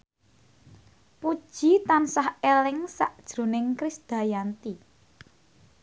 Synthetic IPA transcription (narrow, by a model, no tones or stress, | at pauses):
pud̥ʒ̥i̤t̪ansahelɪŋsa̰ʔd̥ʒ̥ɾo̤nɪŋkɾɪsd̪̥a̤jant̪i